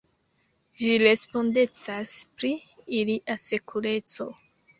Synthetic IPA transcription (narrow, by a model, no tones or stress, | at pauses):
ʒiɾe̞spo̞nde̞t͡saspɾiːliʔase̞kʰuɾe̞t͡so̞̰